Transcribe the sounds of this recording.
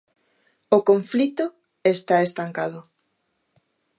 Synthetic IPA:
okoɱflit̪o | est̪aest̪aŋkaðʊ

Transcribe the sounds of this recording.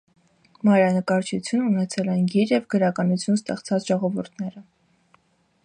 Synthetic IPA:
mɑjɾɑnəkɑɾt͡ʃʰut͡sʰjununɛt͡sʰɛlɛnɡiɾjɛvɡəɾɑkɑnut͡sʰjunst̪ɛχt͡sʰɑt͡sʒ̥ɔʁɔvuɾt̪ʰnɛɾə

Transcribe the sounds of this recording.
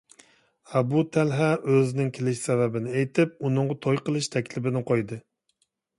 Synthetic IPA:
æbut̪ʰælɦɛʔøznɪŋkʲʰɪlɪʃsɛβæbɪnɪejt̪ʰɪp̚unɨŋʁɑt̪ʰojqəlˠɪʃt̪ʰækʲlɪbɪnɪqʰojd̪ɨ

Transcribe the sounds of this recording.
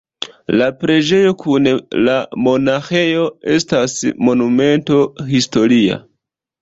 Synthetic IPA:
lapɾe̞d͡ʒe̞jo̞kunlamo̞naxe̞jo̞e̞stasmo̞nume̞nto̞histo̞ɾia̰

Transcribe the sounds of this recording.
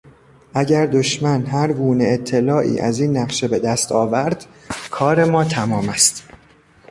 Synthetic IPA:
ʔæɟæɾd̪o̞ʃmænɦæɾɡuːne̞et̪ʰːe̞lɒːʔḭːʔæ̰ziːnːæɢʃe̞be̞d̪æst̪ɒːvæɾd̪̥ | kʰɒːɾe̞mɒːt̪ʰæmɒːmæst̪

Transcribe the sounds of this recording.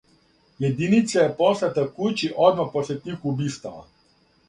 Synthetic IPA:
jed̪init̪sajɛpɔslat̪akujt͡ʃiʔɔd̪mapɔsʲɛt̪ʲixubist̪aa̰

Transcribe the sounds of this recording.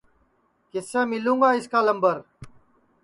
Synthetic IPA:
kɪsẽːmɪlũːŋɡaːɪskaːləmbəɾ

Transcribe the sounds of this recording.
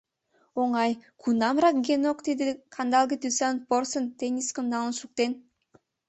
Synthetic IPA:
oŋɑjkʰunamrakɡʲenokt̪ed̪ikʰand̪alˠɡʲit̪ysanporsənt̪enʲiskəmnalˠnʃuk̚t̪en

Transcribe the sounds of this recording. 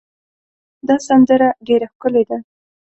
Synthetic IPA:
d̪ɑsand̪əɾaɖeɾaxkəled̪a

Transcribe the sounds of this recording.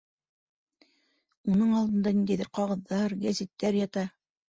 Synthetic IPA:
unɤɴɑlˠd̪ɤ̆nd̪ɑnind̪æjðɘɾqɑʁɤ̆ðːɑɾɡæzit̪ːæɾjɑt̪ɑ

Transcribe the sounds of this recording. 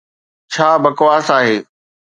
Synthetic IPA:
t͡ɕʰaːbɐkʋaːsaːɦeː

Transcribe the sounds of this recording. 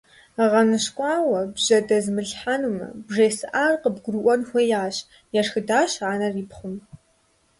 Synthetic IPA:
ʁɐnɨɕkʷʼɑːwɐbʑ̥ɐdɐzmɨɬħanumɐ̰bʐeːsɨʔaːrqəbɡʷʊruʔʷɔnxʷɔjaːɕ | jɛrxɨdaːɕaːnɐriːpχʷʊm

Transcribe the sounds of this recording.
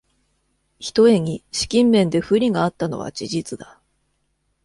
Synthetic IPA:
çi̥t̪o̞e̞ɲ̟iɕi̥kʲĩmːẽ̞nd̪e̞ɸɯ̟ɾʲiɡaːt̪ːano̞̰βa̰t͡ɕiʑit͡sɨd̪a

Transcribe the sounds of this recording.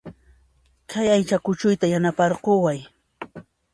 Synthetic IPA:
kʰajajt͡ʃakʊt͡ʃʊjt̪ajanapɑɾqowaj

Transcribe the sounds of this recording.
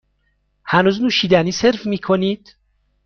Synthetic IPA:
hænuːznuːʃiːd̪æniːse̞ɾfmiːkʰoniːd̪̥

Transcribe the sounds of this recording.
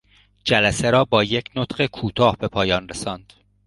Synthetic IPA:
d͡ʒælæseɾɒːbɒːjecʰnot̪ɢekʰuːt̪ʰɒːhbe̞pʰɒːjɒːnresɒːnd̪̥

